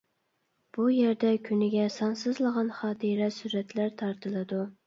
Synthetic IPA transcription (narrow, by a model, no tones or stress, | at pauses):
b̥ujeɾd̪ɛkʲʰynɪɡʲɛsɑnsɨzlˠəʁɑnχɑːt̪ʰiɾɛsyɾɛt̪læɾt̪ʰɑɾt̪ʰɨlˠɨd̪u